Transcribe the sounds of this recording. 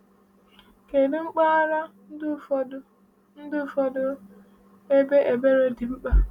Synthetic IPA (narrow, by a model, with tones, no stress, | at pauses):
ke˨dɪ˦ŋ͡m̩˦k͡pa˦ɾa˦ | dʊ˦f | n̩˦dʊ˦˨fɔ˦dʊ˦ | e˦be˦ʔe˨be˦ɾe˦dɪ˨ŋ͡m̩˦k͡pa˦